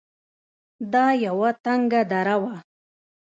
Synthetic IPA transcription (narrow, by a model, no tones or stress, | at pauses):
d̪ɑjawat̪aŋɡad̪aɾawa